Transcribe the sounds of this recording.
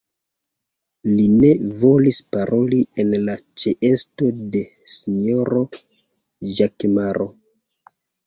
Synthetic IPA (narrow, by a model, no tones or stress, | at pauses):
line̞vo̞lispaɾʔo̞lienlat͡ʃeʔe̞sto̞de̞ | siɲo̞ɾo̞ | ʒakmaɾʔo̞